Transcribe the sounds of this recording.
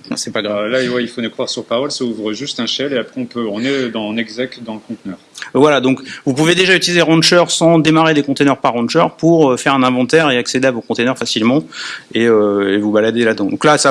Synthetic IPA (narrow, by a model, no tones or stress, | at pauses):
sɛpaɡʁavlawɛilfonəkχwaʁsyʁpaʁɔlsauvʁəʒyst̪ɛ̃ʃɛleapχɛɔ̃pøɔ̃nɛd̪ɑ̃nɛɡzak̚t̪d̪ɑ̃ləkɔ̃t̪nœːʁvwalad̪ɔ̃kvupuved̪eʒayt̪ilizeʁɑ̃nʃœʁsɑ̃d̪emaʁed̪ekɔ̃t̪enœʁpaʁːɑ̃nt͡ʃœʁpuʁøfɛʁɛ̃nɛ̃vɑ̃t̪ɛʁeaksed̪eavokɔ̃t̪enœʁfasilmɑ̃eøevubalad̪elad̪ɑ̃d̪ɔ̃klasa